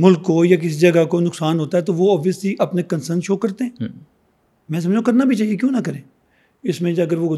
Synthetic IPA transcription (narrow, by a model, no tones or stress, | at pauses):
mʊlkːoːjak̬ɪs̬id͡ʒɐɡakonʊksaːnɦoːt̪aɦɛt̪oʋoɔːbʋijəsliʔɐpnekənsəɾnʃoːkɐɾt̪eɦɛ̃ː | mɛ̃ːs̬ɐməd͡ʒõkɐɾnabʱit͡ʃaːɦiek̬jõːnakɐɾẽː | ɪsmẽd͡ʒɐɡəɾʋo